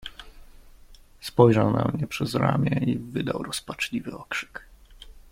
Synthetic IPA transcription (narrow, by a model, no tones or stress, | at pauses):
spɔjʐawnamɲɛpʂɛzɾamʲjɛivɘd̪awɾɔspat͡ʂlʲivɘɔkʂɘ̥k